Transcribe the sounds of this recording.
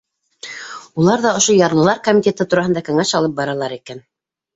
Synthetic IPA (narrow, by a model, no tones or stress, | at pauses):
ulˠɑɾðɑŏʃojɑɾlˠɤ̆lˠɑɾkomʲit̪ʲet̪ɤt̪uɾɑɦɤ̆nd̪ɑkɵ̆ŋæʃɑlˠɤp̚bɑɾɑlˠɑɾikæn